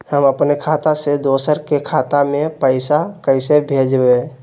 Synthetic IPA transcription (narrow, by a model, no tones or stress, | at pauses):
həməpnekʰaːt̪ased̪oːsəɾkekʰaːt̪amẽpəɪsakəɪsebʱeːd͡ʒbẽ